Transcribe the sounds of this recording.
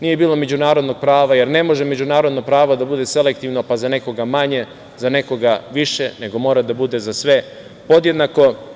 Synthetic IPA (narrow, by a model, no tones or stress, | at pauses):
nije̞biːlˠo̞me̞d͡ʑunaːɾod̪no̞ɡ̥̚pɾaːʋaje̞ɾne̞mo̞ʒeme̞d͡ʑunaːɾod̪nopɾaːʋod̪abud̪e̞se̞le̞kt̪iːʋnopazane̞ko̞ɡamaɲe̞ | zane̞ko̞ɡaʋiʃe̞ne̞ɡo̞mo̞ːɾad̪abud̪e̞zasʋe̞ | po̞d̪je̞d̪nako̞